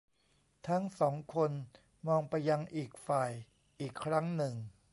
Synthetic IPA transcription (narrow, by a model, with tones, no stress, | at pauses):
t̪ʰa˦˥ŋsɔː˩˦ŋkʰo˧n | mɔː˧ŋpa˧jːa˧ŋʔiː˨˩k̚faː˨˩j | ʔiː˨˩kʰːɾa˦˥ŋnɯ˨˩ŋ